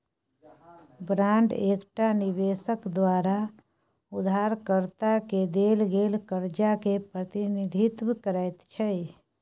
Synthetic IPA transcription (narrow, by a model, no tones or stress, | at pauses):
bɾãːɳɖeːkʈanɪbeːsəkd̪waːɾa | ʊd̪ʱaːɾkəɾt̪aked̪eːlɡeːlkəɾd͡ʒakepɾət̪inɪd̪ʱit̪wkəɾɛt̪t͡ʃʰɛ